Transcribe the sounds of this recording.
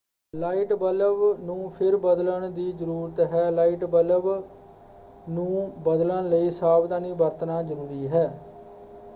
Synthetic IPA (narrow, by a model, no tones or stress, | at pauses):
laːiːʈbələbnũːpʰɪɾbəd̪ləɳd̪iːd͡ʒəɾuːɾət̪ɦɛːlaːiːʈbələb | nũːbəd̪ləɳləiːsaːbd̪aːniːbəɾt̪naːzəɾuːɾiːɦɛː